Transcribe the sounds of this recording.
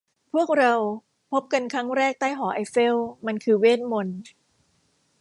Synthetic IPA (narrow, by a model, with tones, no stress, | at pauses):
pʰu˥˩ək̚ɾa˧w | pʰo˦˥p̚ka˧nkʰɾa˦˥ŋɾɛː˥˩k̚t̪aː˥˩jɦɔː˩˦ʔa˧jfe˥˩wma˧nkʰɯː˧weː˥˩t̪̚mo˧n